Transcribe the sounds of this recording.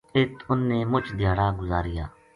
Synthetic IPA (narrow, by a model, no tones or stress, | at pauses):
ɪt̪ʊnːeːmʊt͡ʃd̪ʱjaːɽaːɡʊzaːɾɪja̰ː